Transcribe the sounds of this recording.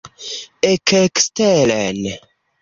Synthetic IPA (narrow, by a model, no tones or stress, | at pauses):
ɛkʰɛkstɛlɛn